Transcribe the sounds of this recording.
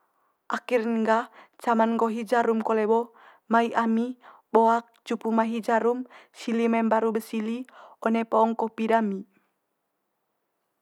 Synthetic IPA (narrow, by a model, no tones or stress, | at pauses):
ʔakirnŋɡat͡ʃamanŋɡɔɦid͡ʒaɾumkɔlɛbɔ | maiʔami | bɔak̚t͡ʃupumaɦid͡ʒaɾumsilimɛmbaɾubəsiliɔnɛpɔːŋkɔpiɾami